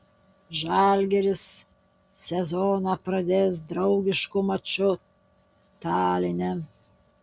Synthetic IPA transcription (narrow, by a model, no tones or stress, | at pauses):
ʒɑlʲɡʲeɾʲɪsːʲ | ɛzɔnɑpɾɐd̪ʲeːsd̪ɾɐʊɡʲɪʃkʊmɐt͡ʃʊ | t̪ɑːlʲɪnʲɛ